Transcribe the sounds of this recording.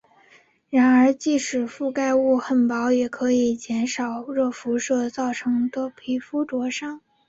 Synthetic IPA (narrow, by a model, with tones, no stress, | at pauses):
ɻa˧˥nə˞˧˥t͡ɕi˥˩ʂɻ̩˨˩fu˥˧ka˥˧ɪu˥˩xə˥˩npɑ˧˥ʊjɛ˨˩kʰɤ˧˥i˨˩t͡ɕjɛ˧˥nʂɑ˨˩ʊɻɤ˥˩fu˧˥ʂɤ˥˧t͡sɑ˥˩ʊʈ͡ʂʰɤ˧˥ŋt̪ɔ˥pʰi˧˥fu˥ʈ͡ʂwɔ˧˥ʂɑ˥ŋ